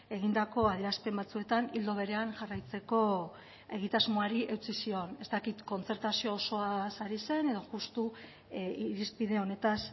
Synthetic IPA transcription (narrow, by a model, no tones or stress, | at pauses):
e̞ɣind̪ako̞aðiɾaspe̞mbat͡sue̞t̪anild̪o̞β̞e̞ɾe̞anʝarajt͡se̞ko̞ | e̞ɣ̞it̪azmo̞aɾiʔe̞wt͡sisio̞ne̞st̪akit̪ko̞nt͡se̞ɾt̪asio̞ːso̞asaɾise̞ne̞ð̞o̞ʝust̪u | iɾispiðe̞o̞ne̞t̪as